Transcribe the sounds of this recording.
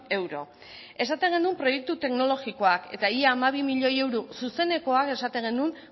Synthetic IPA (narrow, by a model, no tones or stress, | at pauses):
e̞wɾo̞̰ | e̞sat̪e̞ŋɡe̞numpɾo̞je̞k̚t̪ut̪e̞kno̞lo̞ɣikoake̞t̪aiaːmaβ̞imiʎo̞je̞wɾususe̞ne̞ko̞ake̞sat̪e̞ŋɡe̞nun